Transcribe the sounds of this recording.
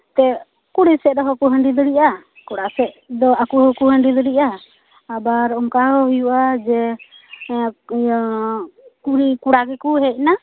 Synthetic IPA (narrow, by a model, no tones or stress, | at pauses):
t̪ɛ | kuɽisɛd̪ɔɦɔkuɦəɳɖid̪ɔɽiʔa | kɔɽasɛʔd̪ɔakuɦɔkuɦəɳɖid̪ɔɽiʔaː | baɾɔmkaɦɔhujuʔad͡ʒɛ | kuɽikuɽakɛkuɦɛc̚na